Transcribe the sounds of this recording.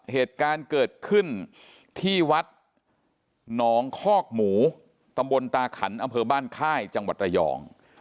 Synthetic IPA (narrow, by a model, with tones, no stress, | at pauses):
heː˨˩t̪̚kaː˧nkɤː˨˩t̪̚kʰɯ˥˩n | t̪ʰiː˥˩wa˦˥t̪̚ | nɔː˩˦ŋkʰɔː˥˩k̚muː˩˦ | t̪a˧mbo˧nt̪aː˧kʰa˩˦nʔa˧mpʰɤː˧baː˥˩nkʰaː˥˩jt͡ɕa˧ŋwa˨˩ɾa˧jɔ̰ː˨˧˦ŋ